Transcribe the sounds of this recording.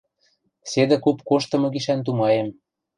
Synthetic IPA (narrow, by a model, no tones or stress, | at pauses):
sed̪ĕkupkoʃt̪ɤ̆mɤ̆ɡiʃænt̪̬umɑjem